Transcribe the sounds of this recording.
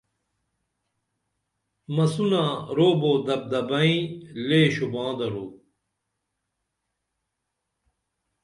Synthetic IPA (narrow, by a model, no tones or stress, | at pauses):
mɐsunaɾoːboːd̪ɐb̚d̪ɐbɐĩleːɕubãːd̪ɐɾoː